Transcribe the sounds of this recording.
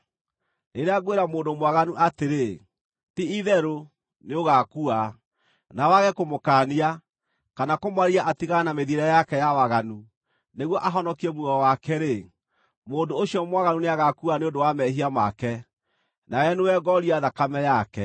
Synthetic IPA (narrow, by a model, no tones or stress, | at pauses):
neɾeaɣweɾamoːndomwaɣanuʔateɾe | tiiðɛɾo | neoɣakua | nawaɣɛkomokaːnia | kanakomwaɾiaʔatiɣanameðiɾɛjakɛjawaɣanu | neɣwɔʔaɦɔnɔkiɛmwuɣɔwakɛɾe | moːndoːɕiɔmwaɣanuneaɣakuaneondowamɛɦiamakɛ | najɛnewɛɡɔɾiaðakamɛjakɛ